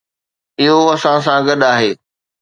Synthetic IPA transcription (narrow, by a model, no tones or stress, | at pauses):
ɪɦoɐsãs̬ãɡɐɗaːɦeː